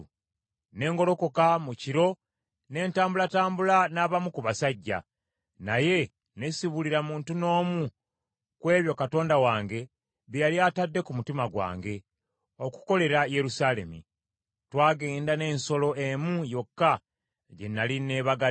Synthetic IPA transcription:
ne̞ːŋɡo̞lo̞ko̞kamuciɾo̞ | ne̞ːntaːmbulataːmbulanaːβamukuβasaɟːa̰ | naje̞ | nesiβuliɾamuːntuno̞ːmu | kwe̞ːβjo̞kato̞ːndawaːŋɡe̞ | βijaliaːtadːe̞kumutimaɡwa̰ːŋɡe̞ | o̞ku̥ko̞le̞ɾaje̞ɾusaːle̞mḭ | twaːɡe̞ːndane̞ːnso̞lo̞ʔemujo̞kːa | ɟe̞nːaline̞ːβaɡa

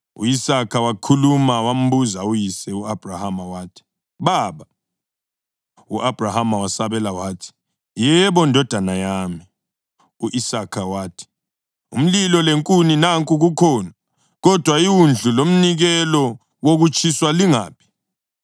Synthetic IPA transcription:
ṵisakʰawakʰulumawam̩βuzaujisɛuab̥ʱrahamawaːtʰi̥ | βaːβa | uʔab̥ʱrahamawasaβɛlawaːtʰi̥ | jɛβɔndʱɔd̥ʱanajaːmi | uʔisakʰawaːtʰi̥ | ṵm̩lilɔleŋkʼuninaŋkʼuɣukʰɔːna | ɣɔd̥ʱwaiwund͡ɮʱulom̩niɣɛlɔ | woɣut͡ʃʰʼiswaliŋa̰ːpʰi̥

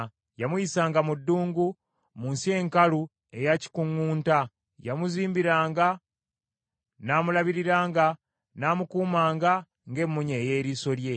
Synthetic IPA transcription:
jamuisaːŋɡamudːuːŋɡu | muːnsie̞ŋkalu | e̞jaci̥kuŋːuːnta | jamuziːmbiɾaːŋɡa | naːmulaβiɾiɾaːŋɡa | naːmukuːmaːŋɡa | ŋɡe̞mːuɲe̞ːjeːɾiːso̞lje̞

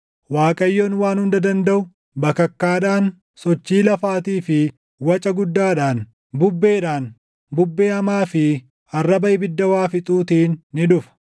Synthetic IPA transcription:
waːkʼɐjːoːnwaːnhʊnd̪ɐd̪ɐnd̪ɐʔʊ | bɐkːɐkːaːᶑaːn | sɔt͡ʃːiːlɐfaːt̪iːfɪ | wɐt͡ʃʼɐɡʊd̪ːaːᶑaːn | bʊbːe̞ːᶑaːn | bʊbːe̞ːɐmaːfɪ | ɐrːɐbɐʔɪbɪd̪ːɐwaːfɪt̪ʼuːt̪iːnːɪᶑʊfɐ̥

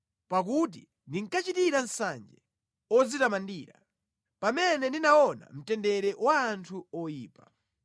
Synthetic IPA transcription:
pak̬ut̬i | ndiŋ̩kat͡ʃitiɾansa̰nd͡ʒɛ | ɔd͡zitamandiːɾa̰ | pamɛnɛndinaɔna̰m̩tɛndɛɾɛwaːntʰuɔjiːpa

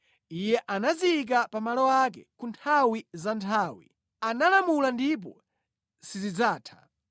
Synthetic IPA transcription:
ijɛʔanaziːk̬apamalɔak̬ɛkuntʰawizantʰaːwḭ | analamulandip̬ɔ̰ | sizid͡zaːtʰḁ̰

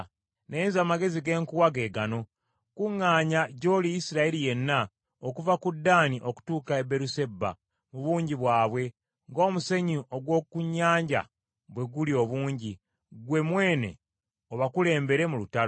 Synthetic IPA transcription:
nenzaːmaɡe̞ziɡe̞ːŋkuwaɡe̞ːɡano̞ | kuŋːaːɲaɟo̞ːlijisiɾaelije̞nːa | okuvakudːaːniʔo̞ku̥tuːkaebe̞ɾuse̞bːa̰ | muβuːɲɟiβwaːβwe̞ | ŋɡo̞ːmuse̞ɲio̞ɡwo̞ːkuɲːaːɲɟa̰ | βwe̞ɡulio̞βuːɲɟi | ɡwe̞mwe̞ːne̞̰ | oβakule̞ːmbe̞ɾe̞mulutaɾ

